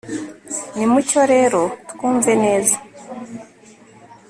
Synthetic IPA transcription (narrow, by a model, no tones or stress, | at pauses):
nimuco̞ɾe̞ːɾo̞tu̥kuːɱve̞ne̞ːza